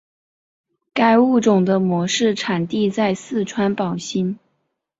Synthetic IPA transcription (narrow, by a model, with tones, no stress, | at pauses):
ka˥˧ɪu˥˩ʈ͡ʂʊ˨˩ŋd̪ə˦mwɔ˧˥ʂɻ̩˥˩ʈ͡ʂʰa˨˩nt̪i˥˧t͡sa˥˧ɪsɹ̩˥˩ʈ͡ʂʰwa˥npɑ˨˩ʊɕi˥n